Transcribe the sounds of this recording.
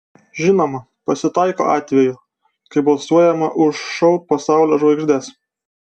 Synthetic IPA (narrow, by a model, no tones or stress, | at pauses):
ʒʲɪnoːmɐ | pɐsʲɪt̪ɑɪko̰ːɑːt̪ʲʋʲɛjʊ | kɐɪbɐlˠsuɔjɛmɐʔʊʃʃɐʊpɐsɑˑʊlʲoːʒʋɐɪɡʒʲd̪ʲɛs